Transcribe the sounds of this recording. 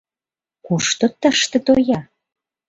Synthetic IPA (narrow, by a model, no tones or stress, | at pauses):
kuʃt̪ot̪əʃt̪ə̆t̪ojɑ